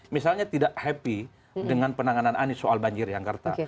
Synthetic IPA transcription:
misalɲat̪idaʔhɛpi | dəŋanpənaŋanananisoalbaɲd͡ʒɪrjaŋkərt̪a̰

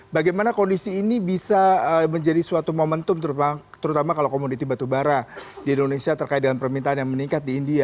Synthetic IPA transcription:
baɡajmanakondisiːnibisaəməɲd͡ʒadisuat̪umamənt̪ʊmt̪əɾuat̪əɾut̪amakalakomodit̪ibat̪ubaɾadiindonesiat̪ərkaɪt̪̚dəalanpərmint̪aanjaŋməniŋkat̪̚diːndia

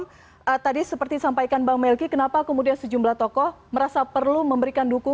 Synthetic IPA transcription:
ət̪adisəpərt̪isampajkanbaŋmɛlkikənapakəmudiansəd͡ʒumblaht̪ɔkɔh | məɾasapərluməmbəɾikanduku

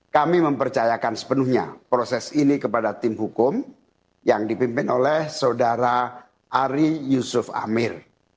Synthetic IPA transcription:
kamiməmpərt͡ʃajakansə̥pənuhɲa̰pɾosɛsinikəpadat̪ɪmhukʊm | jaŋdipimpɪnolɛhsaudaɾa | ʔːɾijusʊfa̰mɪr

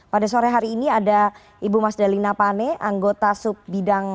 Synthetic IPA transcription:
padasoɾɛɦaɾiːniada | ibumasdalinapanɛʔaŋɡot̪asʊp̚bidaŋ

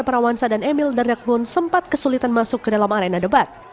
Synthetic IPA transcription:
rpaɾawansadanɛmildardak̚bʊnsəmpat̪̚kəsulit̪anmasʊkːədalamaɾenadəbat̪̚

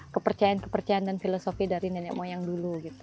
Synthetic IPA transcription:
kəpərt͡ʃajankə̥pərt͡ʃajaandanfilosofidaɾinɛnɛkmojaŋduluɡit̪u̥

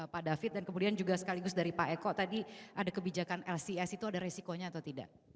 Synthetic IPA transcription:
padafɪt̪̚dankəmudiand͡ʒuɡasə̥kaliɡʊsdaɾipaʔɛkɔt̪adiʔadakəbid͡ʒakanɛlsiɛsit̪uadaɾesikoɲaːt̪awt̪ida̰ʔ

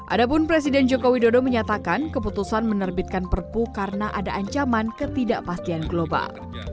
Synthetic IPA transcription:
ʔa̰dapʊnpɾesidɛnd͡ʒokowidodoməɲat̪akankəput̪usanmənərbɪt̪̚kanpərpukaɾənaʔadaʔaɲt͡ʃamankət̪idaʔpast̪ianɡloba̰l

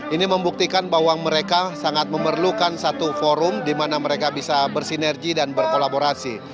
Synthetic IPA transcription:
ʔiniməmbuk̚t̪ikanbaɦwaməɾekasaŋat̪̚məmərlukansat̪ufoɾʊmdimanaməɾekabisabərsinɛrɡidanbərkolaboɾasi

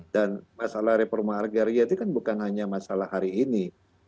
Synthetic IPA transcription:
danmasalahɾepɔrmaːrɡaɾiat̪ikanbukanhaɲamasalahɦaɾiːni

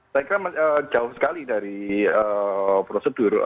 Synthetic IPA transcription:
sajkɾamaəːd͡ʒaʊhsə̥kalidaɾiəpɾosəd̥ʊr

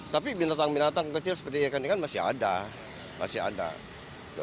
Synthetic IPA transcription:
t̪apibinat̪aŋbinat̪aŋkət͡ʃɪlsə̥pərt̪iakanikanmasɪɦa̰da̰ | mʔa̰sɪɦa̰da̰

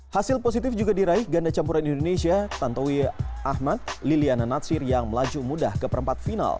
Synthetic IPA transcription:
hasɪlposit̪ɪfd͡ʒuɡadiɾaihɡandat͡ʃampuɾanindonesiat̪ant̪owiahmat̪̚liliananat̪sɪrjaŋməlad͡ʒumuda̰hkəpəɾəmpat̪̚fina̰l

